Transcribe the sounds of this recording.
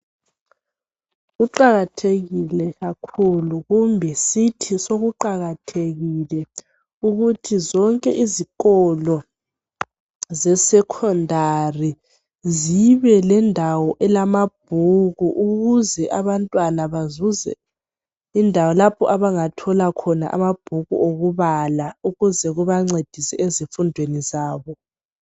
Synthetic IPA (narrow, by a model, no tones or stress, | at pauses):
ɣuǃaɣatʰeɣilɛɣakʰuluɣumbʱɛsitʰisoɣuǃaɣatʰeɣilɛ | uɣutʰizɔŋkʼɛʔiziɣɔlɔ | zɛsɛkʰɔndʱari | ziβɛlɛndʱawɔʔɛlamab̥̚ʱuɣuʔuɣuzɛʔaβantʼwanaβazuzɛ̰ | indʱawɔlapʰɔʔaβaŋatʰɔlakʰɔna̰ʔa̰mab̥ʱuɣṵʔoɣuβalauɣuzɛɣuβaŋ͡ǀed̥ʱisɛʔezifundʱwenizaːβɔ